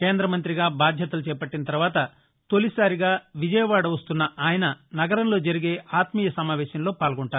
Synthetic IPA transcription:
keːnd̪ɾɐmɐnt̪ɾiɡaːbaːd̪ʱjɐt̪ɐlut͡ʃɛːpɐʈːinɐt̪ɐɾuʋaːt̪ɐ | t̪o̞lisaːɾiɡaːʋid͡ʒɐjɐʋaːɽɐʋɐst̪unːɐʔaːjɐnɐnɐɡɐɾɐmlo̞ːd͡ʒɐɾiɡe̞ːʔaːt̪mijɐsɐmaːʋɛːʃɐmlo̞ːpaːlɐɡɔɳʈaːɾu

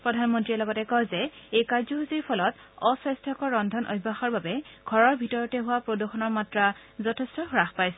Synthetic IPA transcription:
pɹɔdʱanmɔntɹiɛlɔɡɔtɛkɔzɛejkaɹzɔɦusiɹpʰɔlɔtɔsɛstʰakɔɹːɔndʱɔnʔo̰bʱːaxɔɹbabɛɡ̥ʱɔɹɔɹbʱitɔɹɔtɛɦʊwapɹoduxɔnɔɹmatɹazɔtʰestɔxɹaxpajsɛ

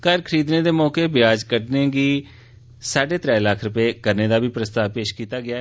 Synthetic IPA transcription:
kəɾkʰəɾiːd̪neːd̪eːmɔːkeːbɪjaːd͡ʒkəɾneːɡiː | saːɖeːt̪ɾɛːlakʰɾʊpeːkəɾneːd̪aːbiːpɾəst̪aːpeːʃkiːt̪aːɡɪaː

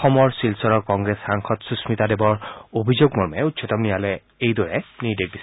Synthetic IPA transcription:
ɔxɔmɔɹsilsɔɹɔɹkɔŋɡɹesxaŋxɔtsusmitadebɔɹobʱizoɡmɔɹmɛutːsʰɔtɔmnijalɛ | ejdɔɹɛniɹdek̚bis

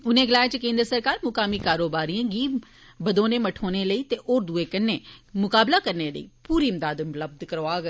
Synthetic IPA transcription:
ʊnẽːɡɪlaːet͡ʃəkẽːnd̪ɾsəɾkaːɾmʊkaːmiːkaːɾoːbaːɾiãːɡiː | bəd̪oːneːməʈʰoːneːləiːt̪eːʔoːɾd̪ueːkənːeːmʊkaːblaːkəɾneːlə̰ḭːpuːɾiːɪmd̪aːd̪ʊmləb̚d̪kəɾoaːɡ

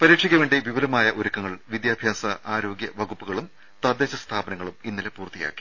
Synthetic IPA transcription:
pɐɾiːʈʂiɣʲɐʋeːɳɖeʋiʋɐlɐmaːjɐʔoɾukːɐŋːɐɭʋid̪jaːbʱjaːsɐʔaːɾo̞ːɡjɐʋɐɣupːuɣɐɭum | t̪ɐd̪ːeːɕɐst̪ʰaːbɐnɐŋːɐɭuminːilepuːrt̪ːija̰ːkːi̥

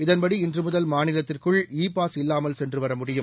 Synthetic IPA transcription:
ɪðɐnbɐɽiɪndrɯmɯðɐlmaːnɪlɐt̪ːɪrkɯɭiːpːaːsɪlːaːmɐlsɛndrɯʋɐɾɐmʊɽɪjɯm

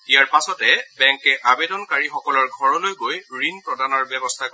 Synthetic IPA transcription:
tijaɹpasɔtɛbɛŋkɛʔabedɔnkaɹixɔkɔlɔɹɡʱɔɹɔlojɡojɹinpɹɔdanɔɹbɛbɔst̪ʰako

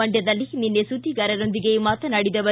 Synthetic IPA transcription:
ɐɳɖjɐd̪ɐlːininːesud̪iɡɐɾɐɾo̞nd̪iɡemaːt̪ɐnɐɽid̪ɐʋɐ

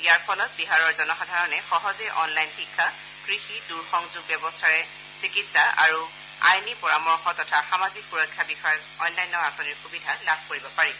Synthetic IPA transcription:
ijaɹpʰɔlɔt̚biɦaɹɔɹzɔnɔxɔdʱaɹɔnɛxɔɦɔzɛʔɔnlajnxikʰːa | kɹixiduɹxɔŋzuɡ̚bjɛbɔstʰaɹɛ | sikitsaʔa̰ɹu | a̰jnipɔɹamɔɹxɔtɔtʰaxamazik̚puɹɔjkʰːjabixɔj | ɔnːajnːɔasɔniɹxubidʱalabʱkoɹibɔpaɹi

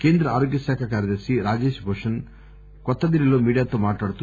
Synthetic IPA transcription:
keːnd̪ɾɐaːɾoːɡjɐsaːkʰakaːɾjɐd̪ɐɾsiɾaːd͡ʒeːʃbʱoːʂɐn | kɔt̪ːɐd̪iɾiloːmiːɽijaːt̪ːomaːʈːaːɽt̪u

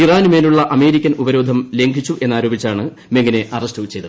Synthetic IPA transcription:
iraːnume̞ːluɭːɐʔɐme̞ːɾikʲːɐnubɐɾo̞ːd̪ʱɐmle̞ŋɡʱit͡ɕːuʔe̞nːaːɾo̞ːbit͡ɕːaːɳɨ | meŋɡːɐne̞ʔɐrɐsʈɨt͡ɕːejt̪ɐð

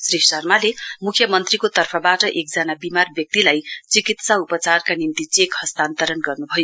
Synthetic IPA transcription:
srisʌrmalemukʰjʌmʌnt̪rikot̪ʌrpʰʌbaʈʌʔek̚d͡zanabimarbjʌk̚t̪ilajt͡sikit̪saupʌt͡sarkanint̪it͡sekhʌst̪ant̪ʌɾʌnɡʌrnubʱʌjo

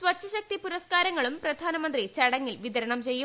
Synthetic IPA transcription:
sʋɐt͡ɕʰːɐɕɐk̚t̪ipuɾɐskaːɾɐŋːɐɭumprɐd̪ʱaːnɐmɐnd̪rit͡ɕɐɽɐŋːilʋiðɐɾɐɳɐmt͡ɕejːum

